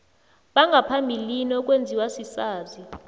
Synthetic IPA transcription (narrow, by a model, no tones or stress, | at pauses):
ɓaŋɡʱapʰambʱilinɔk̬ʼwend͡zʱiwasisaːzi